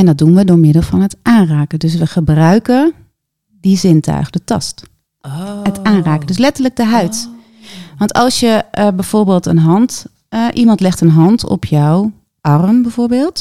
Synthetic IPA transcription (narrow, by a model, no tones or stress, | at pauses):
ɛndɔt̚dunʋədʊːɹmɪdəl̩ˠfɑnətʔaːnraːkədøs̬ʋəxəbrœɥkə | dizɪntʰœ̰ɥxədətɑ̰st | ətaːnraːkəndøslɛtərlək̚dəɦœɥt | ʋɑntɑlˠsjəbɛjv̥oːɹbeːlˠtə̰nɦɑnt | ʔimɑntlɛxtənɦɑntʰɔ̰pʰjɔw | ʔɑrmbɛv̥oːɹbeːlˠt